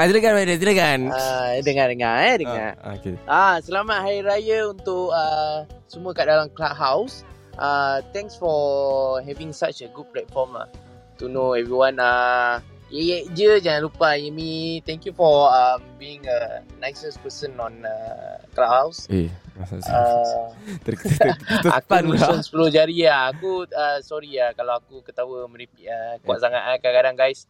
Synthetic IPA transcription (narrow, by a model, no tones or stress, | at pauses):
at̪iləɡanwadat̪iləɡanadəŋadəŋaɛdəŋa̰okeasəlamat̪̚hajɾajəunt̪ʊʔəsəmuəkaʔdalamklaʔɦaws | ʔat̪ɛ̃ŋksfɔɦɛvĩŋsat͡ʃəɡud̚plɛt̪̚fɔma̰ | t̪unoɛvɾiwãna | əɛʔd͡ʒəd͡ʒaŋãnlupaimĩt̪ɛ̃ŋkjufɔəmbiĩŋənajsəspəsənɔ̃nəklaphaws | a | a̰kunsənspəlod͡ʒaɾiaːkuasɔɾiakalawakukət̪awəmə̃ɾipiʔakuaʔsaŋaʔakakadaŋɡajs